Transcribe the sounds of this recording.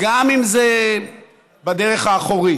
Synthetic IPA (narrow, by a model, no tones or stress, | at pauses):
ɡamimze | bad̪eʁeχaːχoʁi